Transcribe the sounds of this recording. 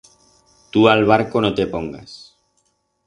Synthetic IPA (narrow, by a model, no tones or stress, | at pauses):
t̪ualβ̞aɾkonot̪e̞po̞ŋɡa̰s